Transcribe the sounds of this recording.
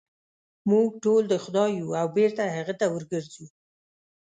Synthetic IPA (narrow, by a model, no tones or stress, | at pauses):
muɡ̚ʈold̪əxʊd̪ɑjuawbeɾt̪aɦaɣət̪awəɾɡəɾzu